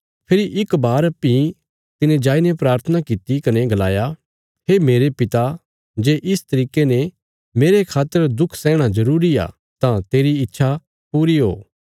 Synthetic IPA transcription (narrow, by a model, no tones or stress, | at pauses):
pʰɪɾiʔɪkbaːɾɐpːi | t̪ɪnẽd͡ʒaːinepɾaːɾt̪ʰənakit̪ikɐneɡɐlaːja | ɦemeːɾepɪt̪a | d͡ʒeːʔɪst̪ɐɾiːkene | meːɾekʰaːt̪ːəɾd̪ʊkʰsɛ̃ːɽ̃azɐɾuːɾia̰ | t̪ãt̪eːɾiɪtːʃʰa | puːɾiɦo̰ː